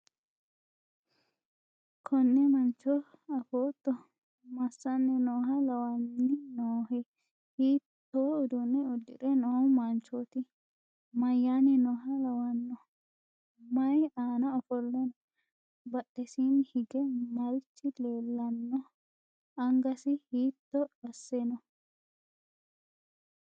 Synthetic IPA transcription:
kʰɔnːɛmɐnt͡ʃɔ | ɐfoːt̪ːɔ | mɐsːɐnːɛnɔːhɐlɐwɐnːɪnoːɦɛ | hiːt̪ːoːʊd̪unːɛʊd̪ːɪ̰ɾɛnɔmɐnt͡ʃoːt̪ɪ | mɐjːaːnɪnɔːɦɐlɐwɐnːɔ | mɐjaːnɐɔfɔlːɛnɔ | bɐɗːɛsinhɪɡɛmɐɾɪt͡ʃːɪleːlːɐnːɔ | ɐŋɡɐsɪhiːt̪ːɔɐsːɛnɔ

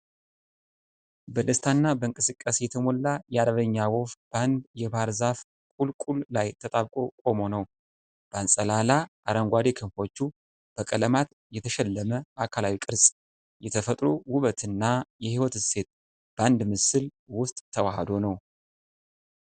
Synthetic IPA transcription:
bəlɨst̪ʰanːabəɨŋkʼɨsɨkʼːasjɛt̪ʰəmolːajɛaɾəβəɲːawofb̥and̪jɛbaɾzaf | kʼulkʼullajt̪ʰət̪ʼaβkʼo̞kʼo̞mo̞nəw | b̥əansʼəlalaʔaɾəŋɡʷad̪e̞kʰɨnfo̞t͡ʃːu | b̥əkʼələmat̪ | jɛt̪ʰəʃɛlːəməakʰalawikʼɨɾsʼ | jɛt̪ʰəfət̪ʼɾowuβət̪ʰɨnːajɛhiwɔt̪ɨse̞t̪̚ | b̥and̪mɨsɨl | wʊst̪ʼt̪ʰːəwahd̪o̞nəw

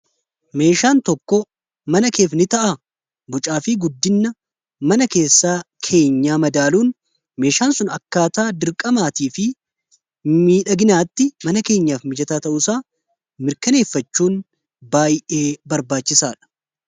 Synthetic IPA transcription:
me̞ːʃaːnt̪ɔkːɔ | mɐnɐke̞ːfnɪt̪ɐʔa | bʊt͡ʃʼaːfɪɡʊd̪ːɪnːɐ | mɐnɐke̞ːsːaːkʰe̞ːɲːaːmɐd̪aːluːn | me̞ːʃaːnsʊnɐkːaːt̪aːd̪ɪɾkʼɐmaːt̪iːfɪ | miːᶑɐɡɪnaːt̪ːɪmɐnɐke̞ːɲːaːfmɪd͡ʒɐt̪aːt̪ɐʔʊsaː | mɪɾkɐne̞ːfːɐt͡ʃːuːn | baːjʔe̞ːbɐɾbaːt͡ʃːɪsaːᶑɐ̥

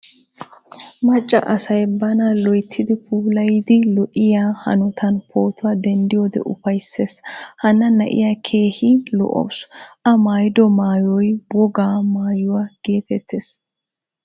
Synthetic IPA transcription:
mɐt͡ʃʼːɐ̰ʔɐsɐjbɐnɐlɔjt̪ʰːɪd̪ɪpʰuːlɐjd̪ɪlɔʔɪjaːhɐ̰nɔt̪ʰɐnpʰo̞ːt̪ʊwaːd̪ɛnd̪ɪjɔd̪ɛ̰ʔʊpɐjsːeːshɐnːɐnɐʔɪ̰jaːkʰe̞ːhɪlɔ̰ʔɔ̰wsʔɐmaːjd̪ɔmaːjɔjwɔɡaːmaːjʊwaːɡ̥e̞ːt̪ɛt̪ːes

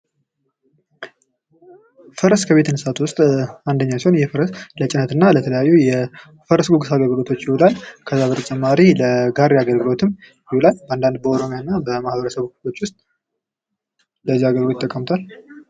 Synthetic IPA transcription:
fəɾəskʰəβe̞t̪ɨnsat̪wʊst̪ʼand̪əɲːasiho̞njɛfəɾəslət͡ʃʼɪnət̪ɨnːalət̪ʰələjajːujɛ | fəɾəsɡoɡɨsaɡəlɡɨlo̞t̪ʰo̞t͡ʃːjɪholalkʰəzaβət̪ʼət͡ʃʼɛmːaɾiləɡaɾːiaɡəlɡɨlo̞t̪ʰɨm | jɪholalbəand̪and̪̚bəo̞ɾo̞mijanːabəmahβəɾəsəβo̞t͡ʃːwʊst̪ʼ | ləzːiaɡəlɡɨlojt̪ʼːəkʼːəmt̪ʰal

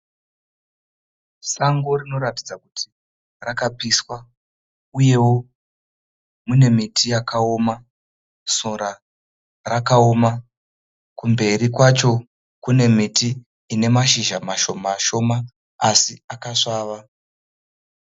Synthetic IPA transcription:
saŋɡo̞rino̞ɾatid͡zakutʰi | rakapiswa | uje̞wo̞ | mune̞mitʰijakao̞ma | soɾa | rakao̞ma | kumbe̞ɾikwat͡ʃo̞ | kune̞mitiː | ne̞maʃiʒamaʃo̞maʃo̞ma | asiakaʂaːʋa

